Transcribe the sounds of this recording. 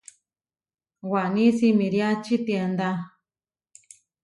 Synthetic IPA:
wanĩsimĩɾjat͡ʃit̪end̪a

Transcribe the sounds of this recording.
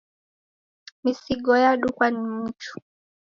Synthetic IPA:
misiɠɔjaɗukwanim̩t͡ʃu̥

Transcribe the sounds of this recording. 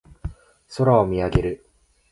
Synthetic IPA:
so̞ɾaomʲiaɡe̞ɾɯ̟

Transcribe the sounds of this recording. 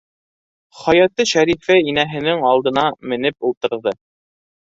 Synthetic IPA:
χɒjɑt̪ɤʃæɾifæinæɦɘ̆nɘŋɑlˠd̪ɤ̆nɑmɘ̆nɘpulˠt̪ɤ̆ɾðɤ

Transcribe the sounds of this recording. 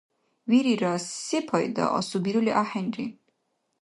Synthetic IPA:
viɾiɾɔsːipʰɔjd̪ɔ̰ʔɔ̰subiɾuliʔaħɛnɾi

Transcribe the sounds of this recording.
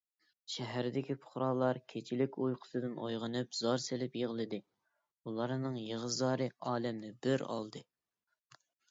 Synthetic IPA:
ʃɛɦæɾɪd̪ɪkʲipʰʊ̥χɾɑːlˠɑɾkʲʰet͡ʃʰilɪkʲojqʰʊ̥sɨd̪ɨnʔojʁənɨpzɑɾselɪpjeʁlˠɨd̪ɨ | ulˠɑɾnɨŋjeʁəzɑːɾɨɑːlɛmnɪbɪɾɑ̰lˠd̪ɨ

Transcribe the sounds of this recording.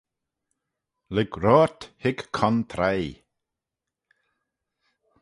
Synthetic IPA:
lɪɡɾɔːɹt̪hɪɡkʰɔnt̪ʰɾaj

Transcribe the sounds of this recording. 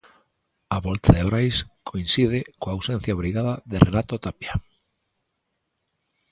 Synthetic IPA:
aβɔlt̪ʰaðeβɾajskʰoinsið̞ɪkoawsɛ̃n̟θjaβɾiɣaðaðerʔenat̪ot̪apja

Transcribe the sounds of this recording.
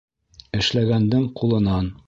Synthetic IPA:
ɘ̆ʃlæɡænd̪ɘɴqulˠɤ̆nɑn

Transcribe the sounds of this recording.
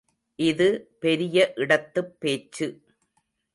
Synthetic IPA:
ʔɪðɯpɛɾɪjɐʔɪɽɐt̪ːɯpːeːt͡ʃːɯ

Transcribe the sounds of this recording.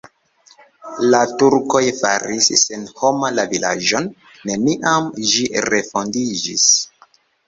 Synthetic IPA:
latuɾko̞jfaɾisːenho̞malavila̰d͡ʒo̞nː | e̞niʔamʒiɾe̞fo̞ndid͡ʒis

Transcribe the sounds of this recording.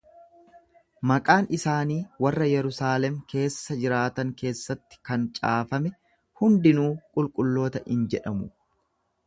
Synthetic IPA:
mɐkʼaːnʔɪsaːniːwɐrːɐjɛɾʊsaːlɛmke̞ːsːɐd͡ʒɪɾaːt̪ɐŋke̞ːsːɐt̪ːɪ̥kɐnt͡ʃʼaːfɐmɛ | hʊnd̪ɪnuːkʼʊlkʼʊlːo̞ːt̪ɐʔɪnd͡ʒɛᶑɐmʊ

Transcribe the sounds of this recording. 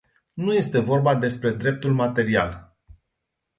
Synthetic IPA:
nuje̞st̪e̞vo̞rbad̪e̞spɾe̞d̪ɾe̞p̚t̪ulmat̪e̞ɾia̰l

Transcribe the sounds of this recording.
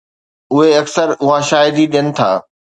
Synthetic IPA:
ʊɦeɐksəɾʊɦãʃaːɪd̪iɗijənɪ̆t̪ʰa̰ː

